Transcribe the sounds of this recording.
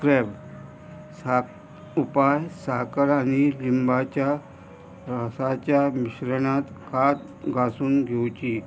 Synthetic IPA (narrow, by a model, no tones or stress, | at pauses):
kɾeb | a | upajsakəɾanilimbat͡ɕja | ɾəsat͡ɕjamiɕɾəɳat̪kʰat̪̚ | ɡasuːnɡʱewt͡ɕi